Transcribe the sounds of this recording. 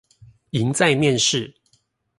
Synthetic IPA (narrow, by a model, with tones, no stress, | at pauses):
i˨˦ŋt͡sa˥˨ɪmjɛ˥˨nʂɻ̩˥˨